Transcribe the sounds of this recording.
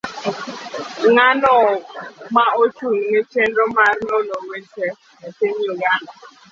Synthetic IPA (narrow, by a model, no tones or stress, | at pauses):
ŋanɔmaot͡ʃuŋŋet͡ʃɛndɔmarnɔnɔwetɛ | aseɲuɡa